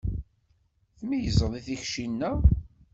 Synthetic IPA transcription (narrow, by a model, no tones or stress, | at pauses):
θmijəzˤəðˤiθiçʃinːæ